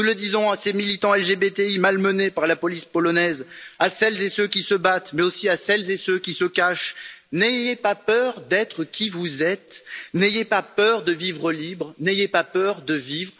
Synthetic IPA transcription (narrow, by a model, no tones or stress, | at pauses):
nuləd̪izɔ̃asemilit̪ɑ̃ɛlʒebet̪eimalmənepaʁlapɔlispɔlɔnɛzasɛlzesøkʲisəbat̪mɛosiasɛlzesøkʲisəkaʃnejepapœʁd̪ɛt̪χəkʲʰivuzɛt̪nejepapœʁd̪əvivʁəlibʁnejepapœʁd̪əvivʁ